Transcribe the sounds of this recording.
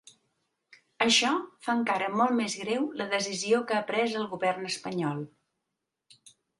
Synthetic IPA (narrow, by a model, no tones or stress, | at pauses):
əʃɔfaəŋkaɾəmɔlˠmezɣɾewləðəziziokəapɾɛzəlˠɣuβɛrnəspəɲɔlˠ